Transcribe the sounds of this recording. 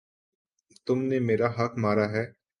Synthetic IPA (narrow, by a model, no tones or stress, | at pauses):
t̪ʊmnemeːɾaɦɐkmaːɾaɦɛː